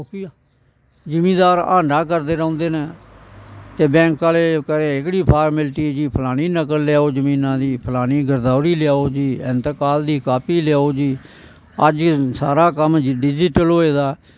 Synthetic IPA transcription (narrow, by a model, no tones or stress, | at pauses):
ki | d͡ʒəmĩːd̪aːɾa̰ːɳɖãːkəɾd̪eːɾãːnd̪eːnẽː | t̪eːbɛ̃ːŋkaːleːkəɾẽːɪkɽiːpʰaːɾmɪlʈiːd͡ʒiːpʰəlaːñiːnəkəlːɪjaːoːd͡ʒəmĩːnãːd̪iːpʰəlaːñiːɡəɾd̪aːʊɾiːlɪjaːoːd͡ʒiːɪnt̪əkaːld̪iːkaːpiːlɪjaːoːd͡ʒiː | əd͡ʒsa̰ːɾaːkəmɖɪd͡ʒɪʈəlɦoːeːd̪aː